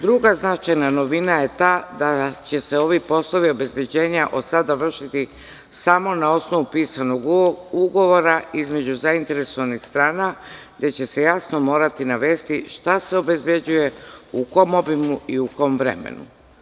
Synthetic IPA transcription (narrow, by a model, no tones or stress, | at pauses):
d̪ɾuɡaznat͡ʃajnano̞ʋinaje̞t̪ad̪at͡ɕe̞seo̞ʋipo̞slˠo̞ʋio̞be̞zbje̞d͡ʑe̞ːɲaʔo̞t̪sad̪aʋr̩ʃit̪i | samo̞nao̞sno̞ʋupiːsano̞ɡuɡo̞ʋo̞ɾaizme̞d͡ʑuzaint̪e̞ɾe̞so̞ʋanixst̪ɾaːnaɡd̪e̞t͡ɕe̞se̞jasno̞mo̞ːɾat̪inaʋe̞ːst̪iʃt̪aseo̞be̞zbje̞d͡ʑuje̞uko̞mo̞bimuiuko̞mʋɾe̞̰mḛnṵ